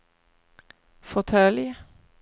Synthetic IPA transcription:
fɔt̪ʰœːlɪə

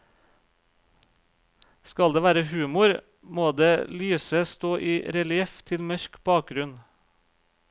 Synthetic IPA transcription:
skɑld̪eːʋæːɾəhʉːmʊɾ | moːd̪eːlyːsəst̪oːʔiːɾɛlɪɛft̪ʰɪlmœɾkb̥ɑːk̚ɡɾʉn

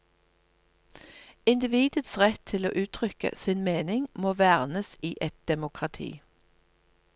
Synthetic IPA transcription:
ɪnd̪ɪʋiːd̪ət̪sʁɛt̪ʰɪlo̰ːʔʉːt̪ʰʁʏkə̰sinmeːnɪŋmoːʋæːʁnəsiːʔɛt̪̚d̪̥ɛmʊkʁɑt̪ʰḭː

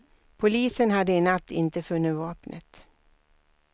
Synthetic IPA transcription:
pʰʊliːsənɦad̪ːəɛnat̪ʰːɪnt̪əfɵnːɪt̪vɑːpnʔə̰t̪

